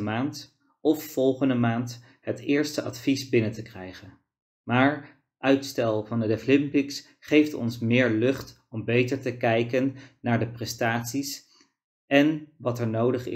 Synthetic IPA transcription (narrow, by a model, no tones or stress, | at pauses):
maːnt | ɔffɔlˠχəndəmaːnt | ɦətɪːɹstəʔɑtfisbɪnəntəkrɛjχən | maːɹ | ʔœɥtstɛlˠvɑndədəflɪmpɪks | χejftɔ̰nsmɪːɹlɵχt | ɔmbejtəɹtəkɛjkənːaːɹdəprɛstaːtsis | ʔɛnʋɑtɛɹnowdəχɪ̰